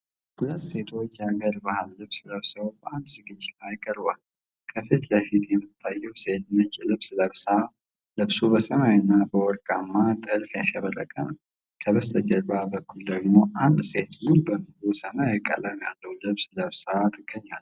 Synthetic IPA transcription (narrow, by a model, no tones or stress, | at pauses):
hulət̪se̞t̪ʰo̞t͡ʃːjaɡəɾbahalːɨβsləβsəwbəand̪zɨɡɨd͡ʒːɪt̪lajkʼəɾba̰l | kʰəfit̪ləfit̪jɛmːɨt̪ʰːajːɛwse̞t̪ɨnːət͡ʃʼːlɨβsləβsa | lɨβsubəsəmajɪnːabəwɔɾkʼamːat̪ʼɨlfjaʃəβəɾːə̰kʼəm | kʰəβəst̪ʰəd͡ʒəɾbabəkʰːuld̪əɡmo̞ʔand̪se̞t̪mulbəmɨusəmajɪkʼːə̰ləmjalːəhlɨβsləβsat̪ʰʼɨɡːəɲːal